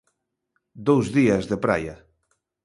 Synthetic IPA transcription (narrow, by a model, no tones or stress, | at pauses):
d̪owzðiazðepɾa̰ja